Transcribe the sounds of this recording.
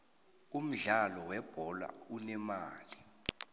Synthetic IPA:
um̩ɮalɔwɛb̥ʱɔla̰unɛmaːli

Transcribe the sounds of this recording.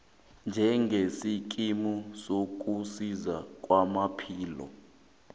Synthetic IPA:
nd͡ʒʱɛŋɡʱesik̬ʼimusok̬ʼusizak̬ʼwamapʰiːlɔ̰

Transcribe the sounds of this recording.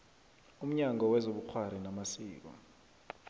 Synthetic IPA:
um̩ɲaŋʱɔwɛzoɓuk͡xʰwaɾ̤inamasiːk̬ɔ̰

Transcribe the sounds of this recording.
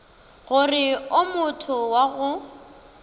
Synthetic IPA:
ɣʊrɪʊmʊtʰʊwaɣʊ

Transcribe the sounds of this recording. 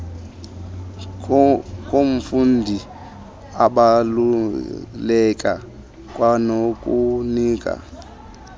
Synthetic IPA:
kʼoɱ̩fundʱi | aɓalu | lɛkʼa̰ | kʼwanokʼuniːkʼa̰

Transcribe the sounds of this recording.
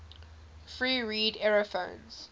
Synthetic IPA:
fɹiːɹiːdɛɹofõʊ̃nz̥

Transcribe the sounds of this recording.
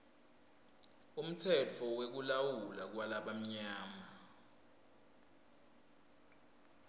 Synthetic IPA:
um̩tʰɛt͡fʰɔwek̬ulawulak̬walaɓam̩ɲaːma

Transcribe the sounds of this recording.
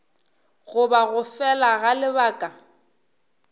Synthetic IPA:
ɣʊbaɣʊfɛlaɣalɪbaːkʼa

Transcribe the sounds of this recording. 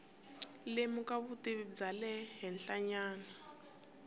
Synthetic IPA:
lemukaβutiβd͡zalɛɦɛnɬaɲaːna

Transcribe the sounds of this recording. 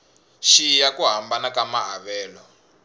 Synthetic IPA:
ʃijakuɦambanakamaɦaβɛːlɔ

